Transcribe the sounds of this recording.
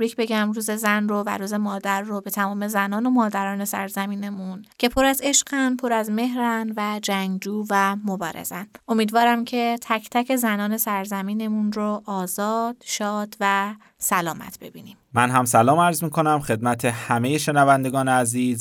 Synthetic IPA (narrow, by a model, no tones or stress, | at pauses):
bɾicʰbe̞ɟæmruːze̞zænrovæ̰ɾuːze̞mɒːd̪æɾːobe̞t̪ʰæmɒːme̞zænɒːno̞mɒːd̪æɾɒːne̞sæɾzæmiːne̞muncʰe̞pʰo̞ɾæze̞ʃɢænpʰo̞ɾæzme̞ɦɾænvæd͡ʒæŋɡd͡ʒuːvæmo̞bɒːɾe̞̰z̥ænʔo̞miːd̪vɒːɾæmcʰe̞t̪ʰæcʰt̪ʰæce̞zænɒːne̞sæɾzæmiːne̞munɾoʔɒːzɒːd̪̥ʃɒːd̪̥væ | sælɒːmæ̰t̪ʰb̥e̞bḭːniːmmænɦæmsælɒːmæɾzmiːkʰo̞næmxe̞d̪̚mæt̪ʰe̞hæme̞jeʃe̞nævænd̪eɡɒːneæziːz